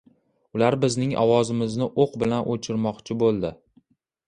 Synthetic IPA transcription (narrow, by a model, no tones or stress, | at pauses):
ʊlaɾbɪznɪŋɒ̰wɒzɪmɪznɪʔoqbɪlanʔot͡ʃʰɪɾmɒqt͡ʃʰɪbolˠd̪ɪ